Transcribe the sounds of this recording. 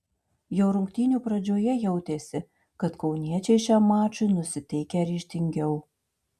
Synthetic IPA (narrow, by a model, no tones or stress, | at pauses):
jɛʊɾʊŋʲkt̪ʲiːnʲupɾɐd͡ʒʲoːjɛjɛʊt̪ʲeːsʲɪ | kɐt̪kɒʊnʲiɛt͡ʃʲɛɪʃʲɑːmɑːt͡ʃʊnʊsʲɪt̪ʲɛɪkʲɛɾʲiːʃʲt̪ʲɪŋʲɡʲɛʊ